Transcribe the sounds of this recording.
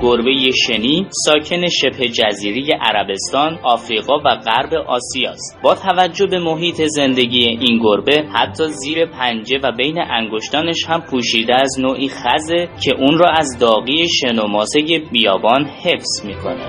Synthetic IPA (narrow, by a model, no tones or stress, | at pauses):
ɡ̥oɾbe̞jeʃe̞niːsɒːcʰe̞ne̞ʃe̞b̥he̞d͡ʒæziːɾeje̞ʔæ̰ɾæbe̞st̪ɒːnɒːfɾiːɣɒːvæɣæɾbe̞ʔɒːsijɒːstt̪bɒːt̪ʰævæd͡ʒːo̞be̞mo̞ɦiːt̪ʰe̞ze̞nd̪e̞ɟiːje̞ʔinɡoɾbe̞hæt̪ʰːɒːziːɾe̞pʰænd͡ʒe̞væbe̞jneʔæŋɡo̞ʃt̪ɒːne̞ʃhæmpʰuːʃiːd̪eːznoːʔiːxæze̞cʰe̞ʔuːnrɒːæzd̪ɒːɣiːe̞ʃe̞nomɒːze̞je̞bijɒːbɒːnhe̞fsmiːkʰo̞̰ne